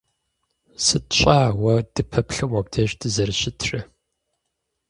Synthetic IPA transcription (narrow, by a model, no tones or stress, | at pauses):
sɨtɕʼaːwɐd̥ɨpʰɐpɬɨmɔbdʰɐɕdɨzɐrɨɕɪtʰrɨ